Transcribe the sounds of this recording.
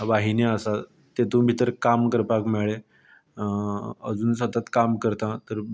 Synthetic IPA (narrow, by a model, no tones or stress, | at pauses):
ʋaɦineəsa | t̪et̪ũbʱit̪əɾkamkəɾpakmeɭe | əd͡zuːnsət̪at̪kamkəɾt̪ãt̪əɾ